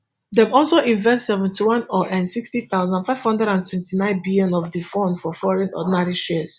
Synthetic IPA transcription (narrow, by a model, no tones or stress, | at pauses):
dɛ̃mɔlsoʔĩɱvɛ̃stsɛvɛ̃ntiwɔ̃nɔʔɛ̃nsikstit̪aʊzãndfaɪv̥hɔ̃ndɹɛdãntʰwɛ̃ntinãɪ̃nbiljɔ̃nɔvdifɔ̃ndfɔfɔɹɛ̃nɔ̰dnaɾiʃɛz̥